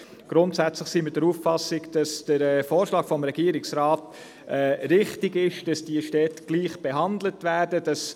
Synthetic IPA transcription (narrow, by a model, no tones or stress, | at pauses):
ɡ̥ɾʊntsæt͡sləχsiːmɪt̚d̥əɾuːffɑsɪɡd̥ɑsd̥əɾɛːfoːɾʃlɑːɡ̥fɔmɾɛɡiːɾɪksɾɑːt | ɛːɾɪχtɪɡɪʃd̥ɑsd̥iəʃtɛtɡ̥liːχb̥ɛɦɑndlətʋæːɾdədɑs